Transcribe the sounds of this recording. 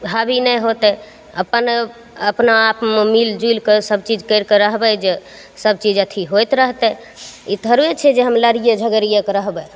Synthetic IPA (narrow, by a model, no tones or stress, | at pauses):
ɦabinəjɦot̪ɛ | ə̰pən | əpnaapmemild͡ʒujlkesəb̚t͡ʃid͡ʒkəɪɾkeɾəɦbɛd͡ʒe | səb̚t͡ʃid͡ʒət̪ʰiɦojt̪ɾəɦt̪ɛ | it̪əɾet͡ʃʰɛd͡ʒeɦəmləɾijəd͡ʒʱəɡəɾijəkɾəɦbɛ